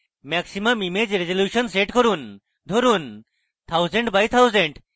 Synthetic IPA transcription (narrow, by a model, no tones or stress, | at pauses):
mɛksiməmimed͡ʑɾezoljuɕənseʈkɔɾuːn | d̪ʱoɾuːn | t̪ʰawzẽɳʈbajt̪ʰawzẽɳɖ